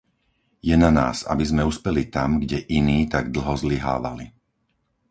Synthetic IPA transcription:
jɛnana̰ːza̰bizmɛuːspɛlit̪amɡɟɛʔiniːt̪aɡd̪l̩ˠɦɔzliɦa̰ːʋa̰li

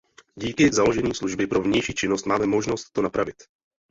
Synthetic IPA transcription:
ɟiːkɪzalo̞ʒɛɲiːsluʒbɪpɾo̞vɲɛjʃiːt͡ʃɪno̞st̪maːmɛmo̞ʒno̞st̪ːo̞napɾavɪt̪

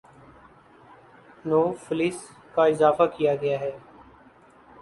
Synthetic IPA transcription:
noːfɪliːs | kaɪzaːfakijaːɡɐjaːɦɛː

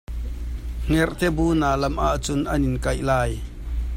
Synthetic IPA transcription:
ŋ̥ɛrt̪ɛbuːnaːlɐmʔaʔt͡sʊnʔɐnɪnkɐjlaːj

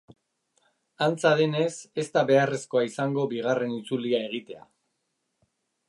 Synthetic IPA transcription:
ant͡saðe̞ne̞se̞st̪aβe̞are̞sko̞aisaŋɡo̞biɣ̞are̞nit͡suliae̞ɣ̞it̪e̞a̰

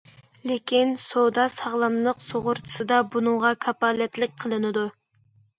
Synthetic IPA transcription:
lekʲinsod̪ɑsɑʁlˠɑmlˠəqsoʁʊɾt͡ʃʰi̥sɨd̪ɑbunɨŋʁɑkʰɑpɑːlɛt̪lɪk̚ʲqʰəlˠɨnɨd̪u

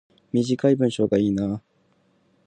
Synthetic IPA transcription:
mʲiʑikaibɯ̟̃ɰ̃ɕo̞ːɡaiːnaː

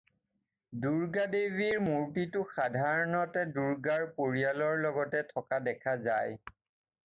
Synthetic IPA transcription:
duɹɡadebiɹmuɹtitʊxadʱaɹɔnɔtɛduɹɡaɹpoɹialɔɹlɔɡɔtɛtʰɔkadɛkʰaza̰j

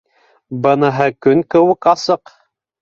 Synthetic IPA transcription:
bɤ̆nɤ̆ɦɤkɵŋkɘ̆wɘkɑsɤq

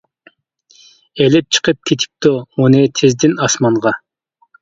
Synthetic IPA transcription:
elɪp̚t͡ʃʰə̥qʰəp̚kʲʰet̪ʰɪ̥p̚t̪omunɨt̪ʰɪzd̪ɪnɑsmɑɴʁɑ

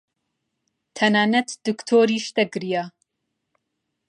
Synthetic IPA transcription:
t̪ʰɐnaːnɐt̪ʰd̪̥ɨkt̪ʰoːɾiːʃd̪ɐɡɾija

